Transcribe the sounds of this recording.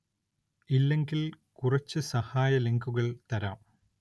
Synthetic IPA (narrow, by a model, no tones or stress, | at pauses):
ilːe̞ŋɡil | kurɐt͡ɕːɨsɐhaːjɐleŋɡuɣɐɭt̪ɐɾaːm